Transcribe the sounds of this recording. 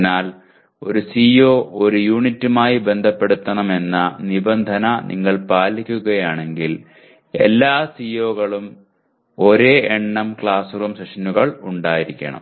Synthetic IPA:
naːl | o̞̰ɾusiːjo̞ːʔoɾujuːɳitːumaːjibe̞nd̪ʱɐpːe̞ɽut̪ːɐɳɐme̞nːɐnibɐnd̪ʱɐnɐnḭŋːɐɭpaːlikʲːuɣɐjaːɳe̞ŋɡil | e̞̰lːaːsijo̞ːɣɐɭum | o̞ɾe̞ːɳːɐmkɭaːsurumseʂɐnuɣɐɭuɳɖaːjiɾikʲːɐ̰ɳɐ̰m

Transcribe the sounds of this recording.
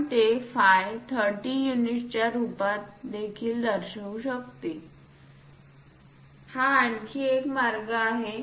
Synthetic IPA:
ʈ̪efajt̪ʰəɾʈijuniʈt͡ɕjjaɾupat̪̚d̪ekʰiːld̪əɾɕəuɕək̚t̪e | haaɳkʰiekmaɾɡaːɦe

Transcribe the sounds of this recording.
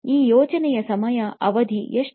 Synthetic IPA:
iːjɔːt͡ʃɐnɛjɐsɐmɐjɐʔɐʋɐd̪ʱijeʂ

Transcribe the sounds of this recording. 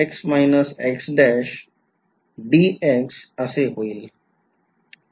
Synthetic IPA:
eksmaɪnəseksɖɛʃ | ɖieksəseɦoil

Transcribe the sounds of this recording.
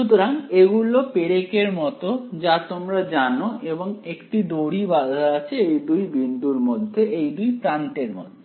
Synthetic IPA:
ʃut̪oɾaŋeɡulopeɾekeɾmɔt̪od͡ʑat̪omɾad͡ʑanoʔeboŋekʈid̪oɽibad̪ʱaat͡ɕʰeejd̪ujbind̪uɾmod̪ʱːeʔejd̪ujpɾanʈeɾmo̰d̪ʱːe

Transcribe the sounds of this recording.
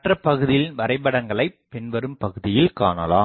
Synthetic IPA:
ʈrɐpːɐɣɯðɪjɪnʋɐɾɐɪpɐɽɐŋɡɐɭɐɪpːɛnʋɐɾɯmpɐɣɯðɪjɪlka̰ːnɐlaː

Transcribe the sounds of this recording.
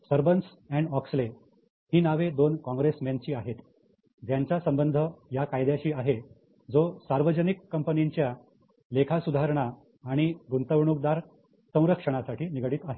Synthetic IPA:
səɾbəns | ɛɳɖɔksle | ɦiːnaʋed̪onkɔ̃ŋɡɾesmjant͡ɕiːaɦet̪ | d͡ʑjaɲt͡ɕasəmbənd̪ʱəjakajd̪jat͡ɕiːaɦe | d͡zosaɾʋəd͡ʑənikːəmpəniɲt͡ɕja | lekʰasud̪ʱaɾɳaː | ɽ̃iɡunt̪əʋɳuk̚d̪aɾ | sə̃w̃ɾəkʂəɽ̃asaʈʰiːniɡɽiːt̪aɦe

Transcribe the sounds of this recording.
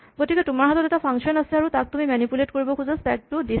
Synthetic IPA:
ɡotikɛtʊmaɹɦatɔtɛtapʰaŋksiɔnasɛaɹutak̚tumimanipuletkoɹibɔkʰuzastɛk̚tʊdi

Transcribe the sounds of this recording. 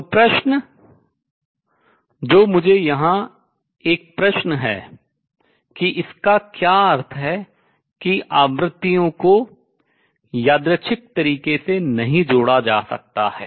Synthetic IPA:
pɾɐʃnə | d͡ʒoːmʊd͡ʒʱejɐɦã | eːk̚pɾɐʃnəɦɛ̰ː | kiʔɪskakjaːəɾt̪ʰɦɛ | kiʔaːʋɾɪt̪ːijõko | jaːd̪ɾət͡ʃʰɪk̚t̪ɐɾiːkesenɐɦĩd͡ʒoːɽad͡ʒaːsɐ̰k̚t̪ahɛ̰ː

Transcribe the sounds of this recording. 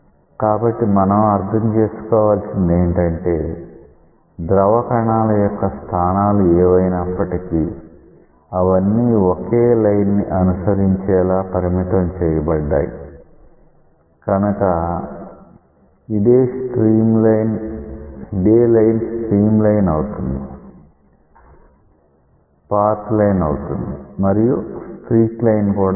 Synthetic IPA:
kaːbɐʈːimɐnɐmɐɾd̪ʰʱɐmt͡ʃe̞ːsu̥kɔːʋaːlsind̪eːɳʈɐɳʈe̞ː | d̪ɾɐʋɐkɐɳaːlɐjɔkːɐst̪ʰaːnaːluɛːʋɐjnɐpːɐʈiki | ɐʋɐnːiːokeːlɐjnːiʔɐnusɐɾiɲt͡ʃɛːlaːpɐɾimit̪ɐmt͡ʃɛːjɐbɐɖːa̰ːjḭ | kɐnɐkɐ | id̪eːsʈɾiːmlɐjn | id̪eːlɐjnsʈɾiːmlɐjnɐwut̪und̪i | paːɾt̪lɐjnɐwut̪und̪imɐɾijusʈɾiːklɐjnkuːɽ

